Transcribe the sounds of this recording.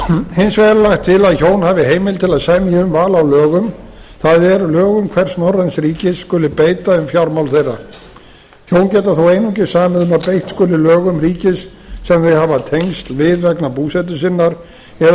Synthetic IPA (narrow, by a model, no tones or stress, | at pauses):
hɪnsvɛɾalaxt̪ʰːɪlaðçownhaːvɪɦeːjmɪlt̪ʰɪlaðsaɣmɪʏmvaːlawlœːɣʏmθaðɛɾlœːɣʏmkʰvɛr̥snɔransɾiːcɪsːkʏːlɪpeːjt̪aʏmfjawɾmawlθejrːa̰ | çowncɛːt̪aθowejnʏŋcɪsaːmɪðʏmapejht̪skɔːlɪlœːɣʏmriːcɪsː | ɛmθehavat̪ʰejŋst̪lvɪðvɛknapuːsɛt̪̬ʏsɪnːaɾ̥ | ɛ